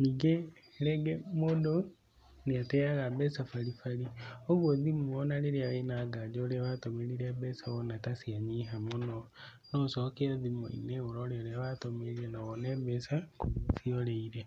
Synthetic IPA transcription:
niːɡe | ɾɛɡemodo | neatɛaɣabɛsafaɾifaɾioβwoðimoɔnaɾeɾeaenaɡad͡ʒɔoɾeawatomeɾiɾɛbɛsaɔnakasiaɲiɦamonɔ | nɔsɔkeaðimo̰ḭneoɾɔɾeoɾeawatomeɾiɾɛnaβɔnɛbɛsakoθiɔɾeiɾe

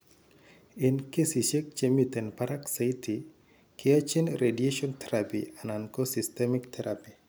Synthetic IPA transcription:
ɪnkesiʃek̚t͡ʃemit̪ɛnpaɾaksajtʰi | kʰeat͡ʃinredieʃɔnt̪ʰɛɾapḭanankosɪstɛmɪkt̪ʰɛɾapi

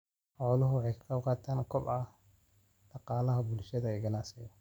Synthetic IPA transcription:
ħɔːlʊɦʊwɑħɑjkʰɐ̥kɑqɑːt̪ʰaːnkʰɔbɐ | d̥̪ɑqɑːlɐɦɐbʊlʃɐðɐɪɡɐnaːsɛjɐ

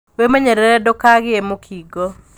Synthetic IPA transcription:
wemɛɲɛɾɛɾɛdokaɣɪemokʰiɡɔ

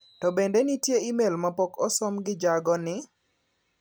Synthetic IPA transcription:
tɔbendenitjeimelmapɔkɔsɔmɡɪd͡ʒaɡɔnɪ

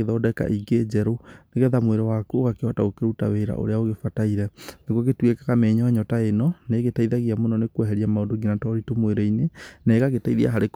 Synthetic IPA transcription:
eðɔːdɛka̰ʔiɡed͡ʑɛɾoneɣeðamweɾɔwakoɣakeɔtaokeuta̰weːɾa̰ʔo̰ɾeaoɣefataiɾɛneɣɣetwekaɣamɛɲɔɲɔtaenɔneɣetaiðaɣiamonɔnekwɛɦɛɾiamaodoŋɡinatɔɾitomweɾɔinenɛːɣaɣetaiðia̰ɦaɾek

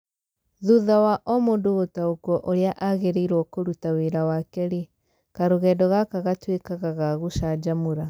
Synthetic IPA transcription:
ðuðawaʔɔmondoɣotaokwɔʔoɾeaʔaɣeɾeiɾwɔkoɾutaweɾawakɛɾe | kaɾoɣɛːdɔɣakaɣatwekaɣaɣaɣuʃad͡ʒamuɾa

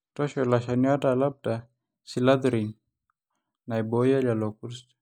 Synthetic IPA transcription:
tɔsɔlasaniadalap̚da | silad̪ɾin | naibojalalɔkurs

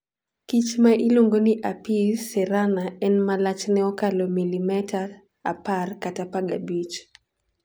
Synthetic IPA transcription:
kit͡ʃmaʔiloŋɡonɪʔapisɛɾanaɛnmalat͡ʃnɛɔkalɔmilimɛtʰar | aparkatapaɡabit͡ʃ

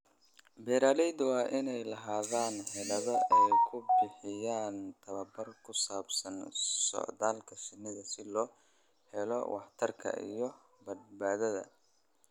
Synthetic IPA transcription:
bɛːɾaːlɛjd̪wɑːʔɪnɛjlɐɦaːðaːnhɛlɐðɐɛjkʰʊbɪħɪjaːnt̪ʰɐβɐbɐrkʰʊsaːbsɐnsɔ̰ʕðaːlkʰɐʃɪnːɪðɐsɪlɔː | hɛlɔ̰wʔɑ̰ħt̪ʰɐrkʰɐ̰ʔḭjɔ | bɐd̪̚baːðɐðɐ̰

